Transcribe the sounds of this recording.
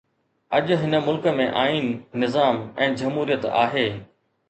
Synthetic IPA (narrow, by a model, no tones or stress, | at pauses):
ɐʄʊɦɪnə̆mʊlkə̆mẽʔaːiːnːɪzaːmɛ̃ːd͡ʑɐmɦuːɾijət̪a̰ːɦeː